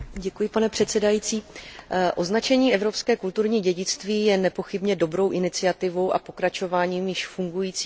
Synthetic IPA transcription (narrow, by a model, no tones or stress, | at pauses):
ɟɛkujɪpanɛpr̥ɛt̪sɛdajiːt͡siːʔo̞znat͡ʃɛɲiːʔɛvɾo̞pskɛːkult̪uɾɲiːɟɛɟɪt͡st̪viːjɛnɛpo̞xɪbɲɛdo̞bɾo̞wʔɪnɪt͡sɪat̪ɪvo̞wʔa̰po̞kɾat͡ʃo̞vaːɲiːmjɪʃfuŋɡujiːt͡siː